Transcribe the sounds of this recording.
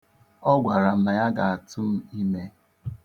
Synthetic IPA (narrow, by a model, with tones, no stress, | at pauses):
ɔ˦ɡʷa˨ɾa˨m̩˦na˨ja˦ɡa˨a˨tʊ˦m̩˦i˦me˦